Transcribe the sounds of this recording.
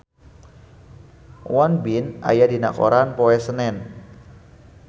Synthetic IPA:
wɔnbina̰jadina̰ko̰ɾanpoɛsənɛn

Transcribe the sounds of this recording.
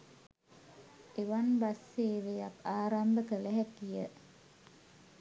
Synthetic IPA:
eʋanbasːeːʋeakaːɾambəkəlɛɦɛkːijə

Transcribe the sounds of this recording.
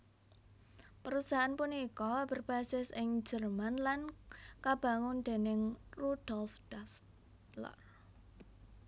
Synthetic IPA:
pəɾusaɦanpuniikɔb̥ərb̥asɪsɪŋd͡ʒərmanlankab̥a̤ŋʊnd̪̥e̤nɪŋrud̥ɔlfd̥as | lə̰r

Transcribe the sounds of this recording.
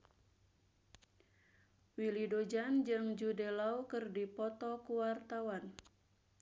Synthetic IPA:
wilidod͡ʒand͡ʒɨŋd͡ʒudelaukɨrdipɔt̪ɔkuwart̪awan

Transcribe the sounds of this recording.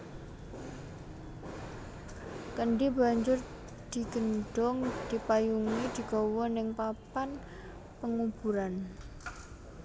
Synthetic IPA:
kəɳɖiba̤ɲd͡ʒʊr | d̪̥i̤ɡ̥ə̤nɖ̥ɔŋd̪̥ipajuŋid̪̥i̤ɡ̥ɔwɔnɪŋpapan | pəŋub̥ṳɾan

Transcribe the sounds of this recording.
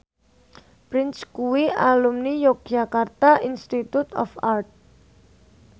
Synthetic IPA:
pɾɪnskuwiʔalumnijok̚d͡ʒakart̪ainst̪it̪ut̪ɔ̰fart̪̚

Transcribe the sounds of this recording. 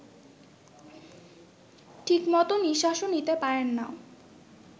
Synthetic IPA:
ʈʰikmɔt̪oniʃaʃonit̪epaɾenːao

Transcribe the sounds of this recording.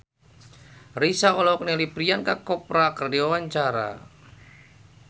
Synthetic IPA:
ɾisaɔlɔknelipɾiankakɔpɾakərdiawaɲt͡ʃaɾa̰

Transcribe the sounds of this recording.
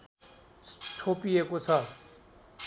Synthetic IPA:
ʈʰoːpiekot͡sʰa

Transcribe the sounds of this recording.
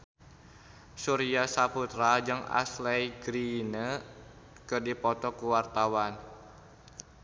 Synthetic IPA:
suɾiasaput̪ɾad͡ʒəŋa̰slɛjɡɾinə | kɨrdipɔt̪ɔkuwart̪awan

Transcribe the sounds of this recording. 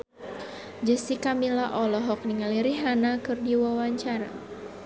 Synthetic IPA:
d͡ʒəsikamilaʔɔlɔɦɔk̚niŋaliɾiɦanakɨrdiwawaɲt͡ʃaɾa̰

